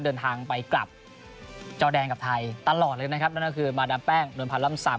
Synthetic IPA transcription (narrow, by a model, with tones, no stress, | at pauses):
dɤː˧nt̪ʰaː˧ŋpa˧jkla̰˨˩p̚ | t͡ɕɔː˧dɛː˧nŋka˨˩p̚t̪ʰa˧jt̪a˧lɔː˨˩t̪̚ɤː˧n˦˥kʰp̚nː˥˩˥kʰɯː˧maː˧daː˧npɛː˥˩ŋnu˧npʰa˧la˥˩msa̰˨˦